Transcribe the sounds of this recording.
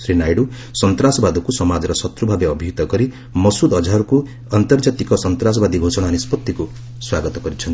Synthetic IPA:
sɾinajɽu | sɔnt̪ɾasɔbad̪ɔkusɔmad͡ʒɔɾɔsɔt̪ɾubʱabeʌbʱiut̪ɔɡɔɾi | mɔsud̪ɔd͡ʒʱaɾku | ant̪ɔrd͡ʒat̪ikɔsɔnt̪ɾas̬ɔbad̪ibʱosɔɽ̃aːnispɔt̪ːiku | swaɡɔt̪ɔɡʌɾit͡ʃʰʌnt̪i̥

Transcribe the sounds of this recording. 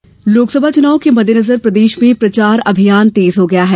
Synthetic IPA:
loːksɐbʱat͡ʃʊnaːʋõkemɐd̪ʱːjenɐzəɾpɾɐd̪eːʃmẽpɾɐt͡ʃaːɾɐbʱijaːnt̪eːzɦoɡɐjaɦɛː

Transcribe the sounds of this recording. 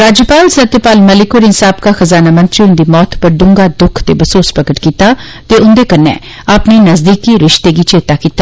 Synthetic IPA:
ɾaːd͡ʒjəpaːlsət̪jəpaːlməlɪkoːɾɪnsaːbkaxəzaːnaːmə̃nt̪ɾiʊ̃nd̪iːmɔːt̪pəɖʊ̃ŋɡaːd̪ʊkʰt̪ḛːbəsoːspɾəkəʈkiːt̪aː | t̪eʊnd̪eːkənːɛ̰ː | aːpneːnəzd̪iːkiɾɪʃt̪eːɡiːt͡ʃeːt̪aːkiːt̪ːa

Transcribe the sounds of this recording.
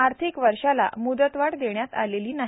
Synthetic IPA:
aɾt̪ʰikʋəɾʂala̰mud̪ət̪ʋaɽd̪eɳjat̪a̰leliːnaɦi

